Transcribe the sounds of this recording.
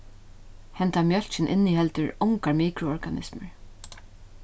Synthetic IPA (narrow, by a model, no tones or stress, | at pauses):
hɛnt̪amjœl̥t͡ʃɪnʔɪnːihɛlt̪ʏɹɔŋkaɹmiːkɾʊɔɹɡanɪ̰smə̰ɹ